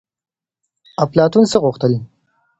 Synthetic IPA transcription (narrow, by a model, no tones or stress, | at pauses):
aplɑt̪unsəɣʊxt̪əl